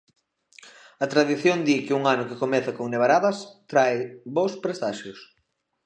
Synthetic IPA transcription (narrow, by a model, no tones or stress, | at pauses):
ɐt̪ɾaðiθjond̪ikɪuŋanʊkɪkomɛθakoŋneβ̞aɾaðɐst̪ɾajbowspɾest̪aʃʊs